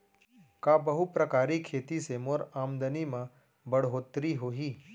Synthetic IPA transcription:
kaːbɐɦupɾɐkaːɾikʰːeːt̪isemoːɾaːmd̪ənimã | bɐɽɦoːt̪ɾiɦoːɦiː

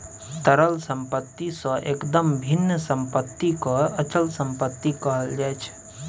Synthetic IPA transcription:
t̪əɾəlsə̃mpət̪ːisə̃ʔekd̪əmbʱinːəsəmpət̪ːikoət͡ʃəlsə̃mpət̪ːikəɦəld͡ʒaet͡ʃʰ

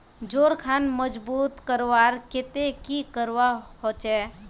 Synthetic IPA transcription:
d͡ʒoːɾkʰanməd͡ʒbuːt̪kəɾʋaɾket̪ekikəɾʋahot͡ʃɛ

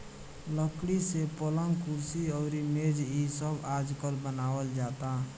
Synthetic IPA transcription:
ləkɽisepɔləŋɡkuɾsiɔʊɾimed͡ʒisəbad͡ʒkəlbənawəld͡ʒat̪a

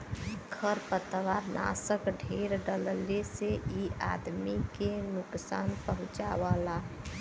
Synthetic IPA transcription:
kʰəɾpət̪ʋaːɾnʔa̰ːsəkɖʱeɾɖəlleseia̰d̪mikenʊksaːnpəɦʊ̃t͡ʃaʋala

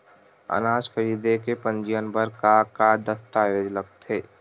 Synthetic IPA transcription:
ə̰naːʃkʰəɾiːd̪ekepə̃ɲd͡ʒijənbəɾkakad̪əst̪aːjeːd͡ʒlək̚t̪ɦeː

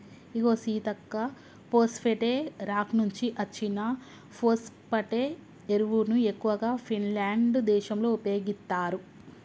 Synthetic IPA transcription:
iɡo̞ːsiːt̪ɐkːɐ | poːspʰeʈeːɾaːknuɲt͡ʃiʔɐt͡ʃːinɐ | poːspɐʈeː | eɾuʋunue̞kːuʋɐɡaːpʰinlaːɳɖd̪ɛːʃɐmlo̞ːupjo̞ːɡist̪ːaːɾu

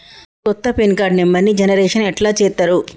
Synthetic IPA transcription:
kɔt̪ːɐpinkaːɖnimːɐnːid͡ʒɐnɐɾɛːʂɐnɛʈlaːt͡ʃɛːt̪ːaːɾu

